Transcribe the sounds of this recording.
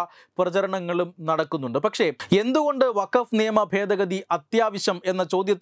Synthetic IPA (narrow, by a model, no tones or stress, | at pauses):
prɐt͡ɕɐɾɐɳɐŋːɐɭumnɐɽɐkːunːuɳɖɨpɐkʂe̞e̞nd̪uɣo̞ɳɖɨʋɐkɐfnijɐmɐbʱe̞ːd̪ɐɣɐd̪iʔɐt̪jaːʋɐɕɐme̞nːɐt͡ɕo̞ːd̪jɐt̪ː